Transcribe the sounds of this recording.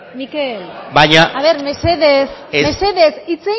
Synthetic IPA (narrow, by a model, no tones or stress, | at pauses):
mikelbajɲaaβe̞ɾmeseðesemeseðesit͡se